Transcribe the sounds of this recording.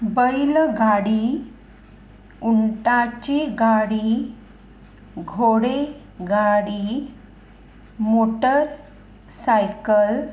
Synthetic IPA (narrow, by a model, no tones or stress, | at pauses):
bəjlɡaɽi | uɳʈat͡ɕiɡaɽi | ɡʱoɽe | ɡaɽi | moʈəɾ | sajkəl